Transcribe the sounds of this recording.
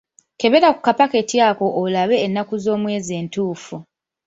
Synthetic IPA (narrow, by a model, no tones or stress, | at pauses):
ke̞βe̞ɾaku̥kapake̞tjaːko̞ʔːlaβe̞ːnːakuzo̞ːmwe̞ːze̞ːntuːfu